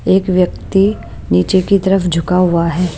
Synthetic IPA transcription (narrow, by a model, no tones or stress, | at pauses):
eːkʋjɐkt̪i | niːt͡ʃekit̪ɐɾəfd͡ʒʱʊkaɦʊaɦɛː